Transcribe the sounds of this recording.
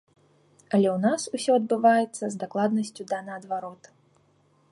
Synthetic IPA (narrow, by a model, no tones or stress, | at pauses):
ɐlʲɛwnasusʲɔɐd̪̚bɨvajɛt̪sːɐzd̪aklˠad̪nɐsʲt͡sʲud̪anɐːd̪vaɾɔt̪